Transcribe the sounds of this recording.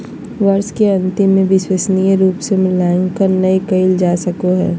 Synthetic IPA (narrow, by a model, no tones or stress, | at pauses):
ʋɐɾskeɐ̃nt̪ɪ̃mːẽʋɪswəsnijəɾuːpsemɪlaːɪ̃ŋkɐɾnɐikɐɪld͡ʒaːsɐkoɦɛ̰ː